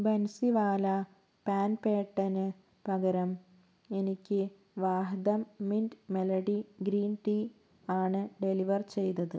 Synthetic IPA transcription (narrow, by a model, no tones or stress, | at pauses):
bensiʋaːlɐ | paːnpeːʈːɐnɨ | pɐɡɐɾɐm | e̞nikʲːɨ | ʋaːɦɐd̪ɐmːindmelɐɽiɡɾiːnʈi | aːɳɨɖe̞liʋɐrt͡ɕe̞jnɐðɨ